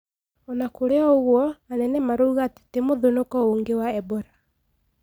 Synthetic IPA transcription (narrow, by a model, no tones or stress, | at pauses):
ɔnakoɾeɔoɣwɔanɛnɛmaɾoːɣate̥temoðonokɔoŋɡewaɛbɔɾa